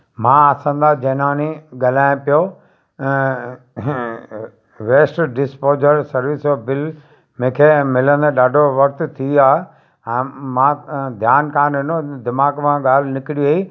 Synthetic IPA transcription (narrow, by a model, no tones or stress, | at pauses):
mãɐsãnd̪ad͡ʑɐːnaːniɠɐl̤aːɪ̃pijo | ʋeːsʈɖɪspoːzəɾsɐɾʋɪsbɪl | mẽːkʰeːmɪlə̃nd̪eɗaːɖʱoʋɐk̚t̪t̪ʰiaːɦe | ɛ̃ːmãd̪ʱjaːnkãːnɪnod̪ɪmaːɡmãɠaːl̤ɪnɪkɪɽiʋei